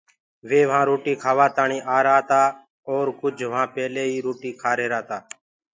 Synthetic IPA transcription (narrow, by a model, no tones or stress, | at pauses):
ʋeːʋãːɾoːʈiːkʰaːʋaːt̪aːɳĩːʔaːɾaːt̪aː | oːɾkʊd͡ʒʱʋãːpɛːleːɦiːɾoːʈiːkʰaːɾeːɾaːt̪aː